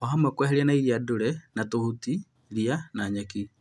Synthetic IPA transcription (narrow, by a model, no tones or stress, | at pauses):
ɔɦamwɛkwɛɦɛɾianaiɾiadoɾɛnatohuti | ɾianaɲaki